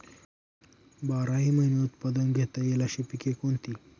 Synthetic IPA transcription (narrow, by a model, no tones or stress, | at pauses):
baɾaɦiːməɦineut̪pad̪ənɡʱet̪əjeləɕipikekont̪iː